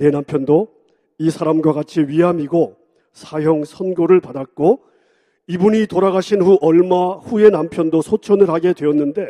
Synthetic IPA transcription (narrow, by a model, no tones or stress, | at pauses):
ne̞nampʰjʌndo | isʰaɾamɡwaɡat͡ɕʰiɥiɦamiɡo | sʰajoŋsʰʌnɡoɾɯɭpadak͈o | ibuɲitoɾaɡaɕʰinɸuʔʌɭmaɸuje̞nampʰjʌndosʰot͡ɕʰʌnɯɭhaɡe̞dwe̞ʌnːɯnde̞